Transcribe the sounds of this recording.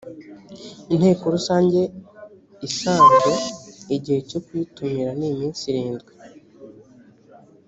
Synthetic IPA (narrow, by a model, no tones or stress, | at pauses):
inhe̞ːko̞ɾusaːɲɟe̞ | isaːnzeiɟihe̞co̞kwiːtumiɾanimiːnsiɾiːnzɡwi